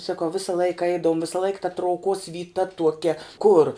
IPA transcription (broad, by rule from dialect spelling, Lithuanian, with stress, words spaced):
sɐˈkɐʊ ˈʋʲɪsɐ ˈlˠɐɪkɐ ˈɛɪdɐʋʊm ˈʋʲɪsɐ lˠɐɪk tɐ trɐʊˈkoːs ʋʲiːˈtɐ tuɔˈkʲɛ kʊr